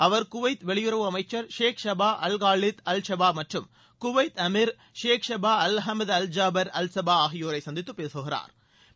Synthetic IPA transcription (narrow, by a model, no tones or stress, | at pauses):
ɐʋɐɾkʊʋɐɪt̪ʋɛɭɪjʊrɐʋɯɐmɐɪt͡ʃːɐɾʃeːkʂɐbaːʔɐlɣaːɭɪt̪ɐlʂɐbaːmɐʈrɯm | kʊʋɐɪt̪ɐmɪɾ | ʃeːkʂɐbaːɐlɦɐmɐðɐld͡ʒaːbɐɾɐlsɐbaːaːɣɪjoːɾɐɪsɐnd̪ɪt̪ːɯpːeːsɯɣɪra̰ːɾ